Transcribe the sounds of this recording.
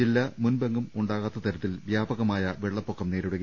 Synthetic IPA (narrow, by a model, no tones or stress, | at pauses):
ilːɐmunbɐŋɡumuɳɖaːɣaːt̪ːɐt̪ɐɾɐt̪ːilʋjaːbɐɣɐmaːjɐʋeɭːɐpːokːɐmne̞ːɾuɽɐɣ